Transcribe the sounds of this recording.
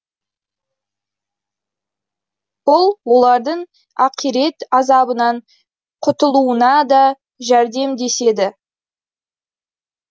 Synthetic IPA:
b̥ʊlˠwo̞lˠɑɾd̪əɴ | ɑqijɾe̞t̪ɑzɑbənɑɴ | qʰʊt̪əlˠuənɑd̪ɑ | ʒæɾd̪e̞md̪e̞se̞d̪ɪ

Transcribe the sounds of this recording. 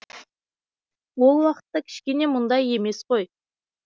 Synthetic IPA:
wo̞lˠwɑqə̥t̪ːɑkʲʰɪ̥ʃkʲe̞ne̞mʊnd̪ɑje̞me̞sqoj

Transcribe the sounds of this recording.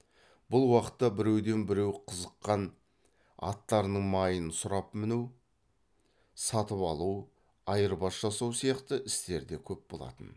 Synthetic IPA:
bʊlˠwɑqə̥t̪ːɑbɪɾe̞wd̪e̞nbɪɾe̞wqʰəzəqːɑn | ɑ̰t̪ːɑɾnəɴmɑjənsʊɾɑpmɪnew | sɑt̪əpɑlˠuw | ɑjəɾbɑsʒɑsɑwsijɑqt̪əʔɪst̪e̞ɾd̪e̞kʲʰɵp̚bo̞lˠɑ̰t̪ə̰n

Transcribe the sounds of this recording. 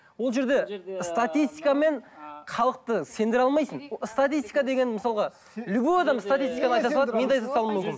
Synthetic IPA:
wo̞lˠʒe̞ɾd̪e̞st̪at̪ist̪ijkame̞ɴqʰɑlˠəq̚t̪əse̞nd̪ɪɾɑlˠmɑjsənst̪at̪ist̪i̥kad̪e̞ɡʲe̞nɪməsɑlˠʁɑ | lʲubuɑd̪ɑmst̪at̪ist̪i̥jkanəɑj̪ɑsɑlˠɑme̞nd̪ejt̪ʰɑst̪ɑlˠmʏmkʲɪn

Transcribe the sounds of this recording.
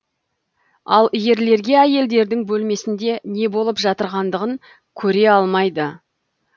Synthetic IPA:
ɑ̰lˠije̞ɾle̞ɾɡʲe̞æje̞ld̪e̞ɾd̪ɪŋbɵlme̞sɪnd̪e̞ne̞bo̞lˠəpʒɑt̪əɾʁɑnd̪əʁəŋ | kʲʰɵɾe̞ɑlˠmɑjd̪ə

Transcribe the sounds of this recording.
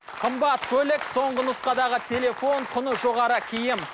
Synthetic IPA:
qʰəmbɑt̪kʲʰɵlekso̞ɴɢənʊsqɑd̪ɑʁət̪ʲʰe̞le̞fo̞ɴq̪ʰʊnəʒoʁɑɾəkʲʰɪjɪm

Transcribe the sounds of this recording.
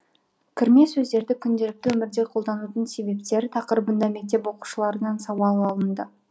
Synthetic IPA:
kʲʰɪɾme̞sɵzd̪e̞ɾd̪ɪkʲʰʏnd̪e̞ɾɪk̚t̪ɪwɵmɪɾd̪eqʰo̞lˠd̪ɑnut̪ənse̞be̞pt̪e̞ɾt̪ʰɑqəɾəbənd̪ɑme̞k̚t̪e̞pwo̞qu̥ʃəlˠɑɾənɑnsɑwɑlˠɑlˠənd̪ə

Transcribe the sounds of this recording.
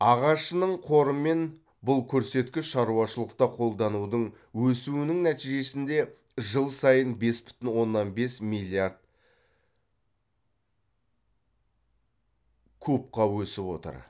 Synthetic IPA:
ɑʁɑʃənəɴqʰo̞ɾəme̞n | bʊlˠkʲʰɵɾse̞t̪kʲɪʃʃɑɾuɑʃəlˠəqt̪ɑqʰo̞lˠd̪ɑnud̪əɴ | wɵsuwɪnɪŋnæt̪iʒe̞sɪnd̪e̞ | ʒəlˠsɑjənbe̞sbʏ̥t̪ɪnwo̞nːɑnbe̞smilʲˠiaɾd̪̥̚ | kʰup̚qɑwɵsɪpwo̞̰t̪ə̰ɾ

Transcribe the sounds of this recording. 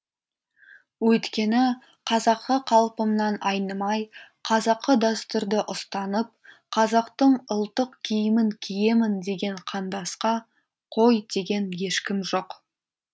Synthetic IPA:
wɵjt̪kʲe̞nɪ | qʰɑzɑqːəqʰɑlˠpəmnɑnɑjnəmɑjqʰɑzɑqːəd̪ost̪ʊɾd̪əʔʊst̪ɑnəp̚ | qʰɑzɑqt̪əɴʊlˠt̪əqkʲʰijɪmɪŋkʲʰije̞mɪnd̪e̞ɡʲe̞ɴqʰɑnd̪ɑsqɑ | qʰo̞jd̪e̞ɡʲe̞nje̞ʃkʲɪmʒo̞q

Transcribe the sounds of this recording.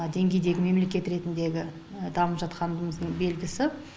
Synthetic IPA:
d̪e̞ŋɡʲe̞jd̪e̞ɡʲɪme̞mle̞kʲe̞t̪ɾe̞t̪ɪnd̪e̞ɡʲɪ | d̪ɑməpʒɑt̪qʰɑnd̪əməzd̪əɴbe̞lɡʲɪsɪ

